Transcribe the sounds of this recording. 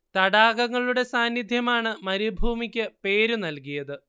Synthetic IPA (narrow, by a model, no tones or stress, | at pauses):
t̪ɐɽaːɣɐŋːɐɭuɽe̞saːnːid̪ʱjɐmaːɳɨmɐɾibʱuːmikʲːɨpe̞ːɾunɐlkijɐðɨ